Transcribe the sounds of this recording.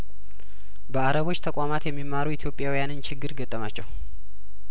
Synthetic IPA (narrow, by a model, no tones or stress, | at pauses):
bəaɾəβo̞t͡ʃːt̪ʰəkʼamat̪jɛmːimːaɾuit̪ʰjo̞pʼjawijanɨnt͡ʃʰɪɡːɨɾɡət̪ʼːəmat͡ʃːɛw